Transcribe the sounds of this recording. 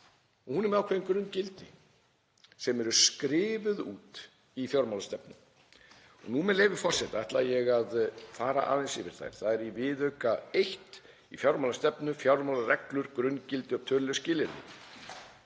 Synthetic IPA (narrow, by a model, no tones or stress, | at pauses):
ɔɣhunɛɾmɛðawkʰvɛðɪnkɾʏncɪlt̪ɪ | sɛmɛɾʏskɾɪːvʏðuːt̪ | ifjawɾmawlast̪ɛpnʏ̰m | ɔ̰ɣnumɛðleːjvɪfɔr̥sɛt̪aɛht̪lajɛɣaðfaːɾa̰ʔa̰ːðensɪvɪɾ̥θa̰jɾ̥θaðɛɾivɪðœɥkaejht̪ | ifjawɾmawlast̪ɛpnʏfjawɾmawlarɛklʏɾkɾʏnːcɪlt̪ɪɔt̪ʰœːɾlɪʏscɪːlɪɾnɪ̰